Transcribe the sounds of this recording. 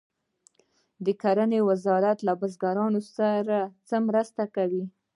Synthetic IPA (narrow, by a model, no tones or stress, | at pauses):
d̪əkaɾanewazɑɾat̪labazɡaɾɑnosaɾat͡səmɾəst̪akawi